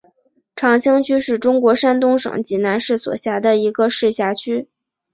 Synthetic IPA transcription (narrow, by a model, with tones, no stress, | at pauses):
ʈ͡ʂʰɑ˧˥ŋt͡ɕʰi˥ŋt͡ɕʰy˥ʂɻ̩˥˩ʈ͡ʂʊ˥ŋkwɔ˧˥ʂa˥nt̪ʊ˥ŋʂɤ̰˨˩ŋt͡ɕi˧˥na˧˥nʂɻ̩˥˩swɔ̰˨˩ɕja˧˥d̪ə˧i˧˥ɡə˧ʂɻ̩˥˩ɕja˧˥t͡ɕʰy˥